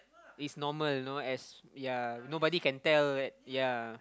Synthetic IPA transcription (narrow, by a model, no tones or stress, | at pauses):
itsnɔməlnoɛsjanobɔdikɛ̃ntɛldɛt̚ja